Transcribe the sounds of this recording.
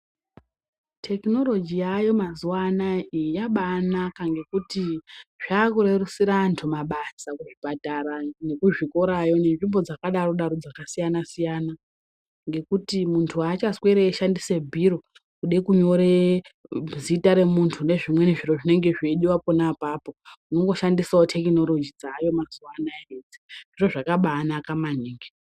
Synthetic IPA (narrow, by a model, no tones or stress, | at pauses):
tʰe̞kno̞lo̞d͡ʒiajo̞mazuwanaijaɓaːnakaŋɡe̞kutiʐ̥aːkuɾe̞rusiɾaːntʰumaɓasakuʐipataɾane̞kuʐiko̞ɾajo̞ne̞nʐimbo̞d͡zakaɗaro̞ɗaɾo̞d͡zakasijanasijaːna | ŋɡe̞kutimuntʰuaːt͡ʃasweɾeːʃandisebʱiɾo̞ | kuɗekuɲo̞ɾe | zitaɾe̞muntʰune̞ʐimwe̞neʐiro̞ʐine̞ŋɡeʐeɗiwapo̞napaːpouno̞ŋɡo̞ʃandisaotʰe̞kino̞lo̞d͡ʒid͡zaːjo̞mazuanaeɦed͡ziʐiʐo̞ʐakaɓaːnakamaniːŋɡi